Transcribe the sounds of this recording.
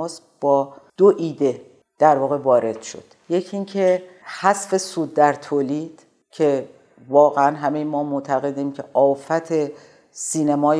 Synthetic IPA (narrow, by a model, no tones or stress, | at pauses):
s | b̥ɒːd̪̥oʔiːd̪e̞ | d̪̥æɾvɒːɣe̞vɒːɾe̞d̪̥ʃo̰d̪̥je̞cʰiŋcʰehæsfe̞suːd̪̚ːæɾt̪ʰoːliːd̪̥ | cʰe̞ | vɒːɣeænɦæme̞jemɒːmoʔt̪ʰæɣe̞d̪iːmcʰe̞ʔɒːfæt̪ʰe̞ | siːnemɒːj